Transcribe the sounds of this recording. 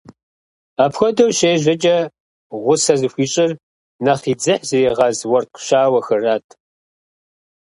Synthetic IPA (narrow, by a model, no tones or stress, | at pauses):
aːpʰxʷɔdɐwɕeːʑɐt͡ʃʼɐ | ʁʷʊsɐzɨxʷiːɕʼɪr | naχiːd͡zɨħzɨeːʁɑzwɔrqʃaːwɐxɐraːtʰ